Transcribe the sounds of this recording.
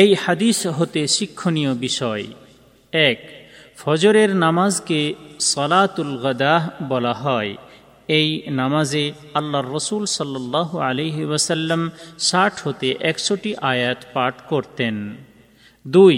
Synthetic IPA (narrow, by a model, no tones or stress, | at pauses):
ejhad̪isɦot̪eʃikʰːonijobiʃɔe | ɛkfʰɔd͡ʑoɾeɾnamazkesɔlat̪ulɣɐd̪abɔlaɦɔe | ejnamaze | alːaɾːɔsulsɔlːɔlːɑɦualejɦewəsəlːəmsaʈʰhot̪eʔɛksoʈiʔajat̪paʈʰkoɾt̪en | d̪uj